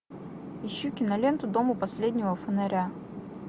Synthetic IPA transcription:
ɪɕːukʲɪnɐlʲe̞nt̪ʊd̪o̞mʊpɐsʲlʲed̪ʲnʲɪvəfənɐɾʲæ

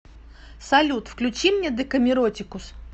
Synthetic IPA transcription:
sɐlʲut̪fklʲʉt͡ɕimnʲed̪ɨkəmʲɪɾotʲɪkʊs

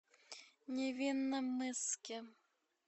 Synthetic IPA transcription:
nʲevʲinːɐmɨskʲɪ

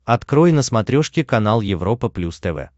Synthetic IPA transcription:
ɐt̪kɾojnəsmɐt̪ɾʲoʂkʲɪkɐnalˠjɪvɾo̞pəplʲust̪ɛvɛ̰

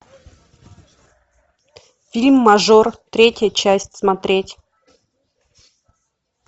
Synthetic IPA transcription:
fʲilʲmːɐʐort̪ɾʲetʲjəjət͡ɕæsʲtʲsmɐt̪ɾʲetʲ

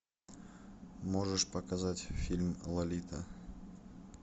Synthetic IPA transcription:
moʐɨʂpɐkazatʲfʲilʲmlˠɐlʲit̪ʰə

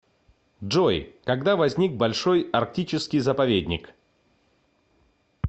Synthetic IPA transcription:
ʐojkɐɡd̪avɐzʲnʲik̚bɐlʲʂo̞jɐrk̚tʲit͡ɕɪskʲɪjzəpɐvʲedʲnʲɪ̰k

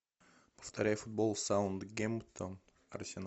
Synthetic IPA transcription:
pə̥ft̪ɐɾʲæjfʊd̪̚bolˠsaənd̪ɡʲemt̪ʰon | ɐ̰ɾsʲɛn

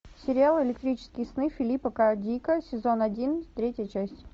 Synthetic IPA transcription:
sʲɪɾʲɪalˠɪlʲɪkt̪ɾʲit͡ɕɪ̥skʲɪjəsnɨfʲɪlʲipəkadʲikəsʲɪzo̞nɐdʲint̪ɾʲetʲjət͡ɕæsʲtʲ

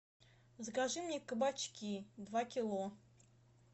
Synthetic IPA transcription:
zɡaʐɨmnʲekəbat͡ɕkʲid̪vakʲilˠo

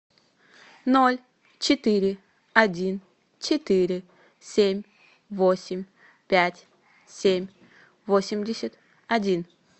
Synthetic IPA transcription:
nolʲ | t͡ɕɪt̪ɨɾʲɪ | ɐdʲin | t͡ɕɪt̪iɾʲɪ | sʲemʲ | vosʲɪmʲ | pʲætʲ | sʲemʲ | vosʲɪmʲdʲɪsʲət̪ | ɐdʲin̪

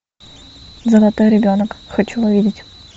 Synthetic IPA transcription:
zəlˠat̪ojɾʲɪbʲonəkxot͡ɕulˠovʲidʲɪtʲ

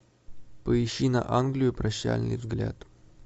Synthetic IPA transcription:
pəɪɕːinɐ̰ʔanɡlʲɪjʊpɾɐɕːæ̰lʲnɨ̰jvzɡlʲat̪

